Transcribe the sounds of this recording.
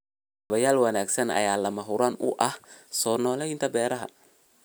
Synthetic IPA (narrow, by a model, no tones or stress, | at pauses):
ɐβɐjaːlwɐnaːɡsɐnɐ̰jaːlɐmɐɦʊɾaːnʊ̰ʔɐhsɔːnɔːlɛɪnt̪ʰɐbɛːɾɐɦɐ̰